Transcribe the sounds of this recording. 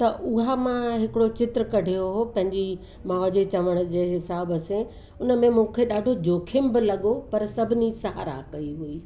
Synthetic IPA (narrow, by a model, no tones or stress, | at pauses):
t̪ɐʔʊɦamãɦɪkɪɽot͡ɕɪt̪ɾəkɐɖʱijoɦopɐ̃ɦɪ̃ɲd͡ʑi | maːd͡ʑet͡ɕɐʋəɽ̃ʊ̆d͡ʑeːɦɪsaːbəsẽ | ʊnə̆mẽmũːkʰeɗaːɖʱod͡ʑoːkʰɪmbɪlɐɠopɐɾsɐbʱɪnisɐɦa̰ɾa̰ːkɐiɦuiː